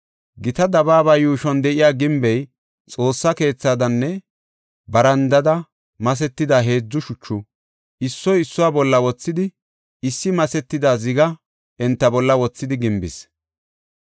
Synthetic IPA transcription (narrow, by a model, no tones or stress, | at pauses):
ɡɪt̪ɐd̪ɐbaːbaːjuːʃɔnd̪ɛʔɪjaːɡɪmbɛj | t͡sʼo̞ːsːɐke̞ːt͡sːaːd̪ɐnːɛ | bɐɾɐnd̪ɐd̪ɐ | mɐs̬ɛt̪ːɪd̪aːɦe̞ːd͡zːʊʃʊt͡ʃːʊ | ɪsːɔjɪsːʊwaːbɔlːɐwɔt͡sːɪd̪ɪ | ɪsːɪmɐsɛt̪ːɪd̪aːzɪɡɐ | ʔɛnt̪ːɐbɔlːɐwɔt͡sːɪd̪ɪɡɪmbɪ̰s